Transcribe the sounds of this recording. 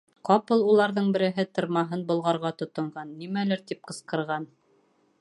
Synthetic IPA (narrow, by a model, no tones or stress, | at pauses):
qɑpɤlˠulˠɑɾðɤɴbɘ̆ɾɘ̆ɦɘt̪ɤ̆ɾmɑɦɤnbŏlˠʁɑɾʁɑt̪ŏt̪ŏɴʁɑnːimælɘɾt̪ip̚qɤ̆sqɤ̆ɾʁɑn